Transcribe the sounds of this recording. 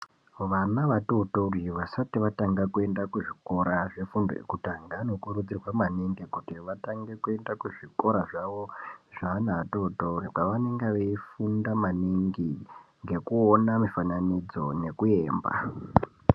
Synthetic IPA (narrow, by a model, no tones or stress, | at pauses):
ʋanaʋatoutouriʋasatiʋataŋɡakue̞ndakuʐiko̞ɾaʐefundo̰ḛkutaŋɡano̞kuɾud͡zirwamaniŋɡikutiʋataŋɡe̞kue̞ndakuʐiko̞ɾaʐaʋo̞ʐanatoutourikaʋane̞ŋɡeʋeifundamaniŋɡiŋɡe̞kuonamifananid͡zo̞ne̞kue̞ːmba̰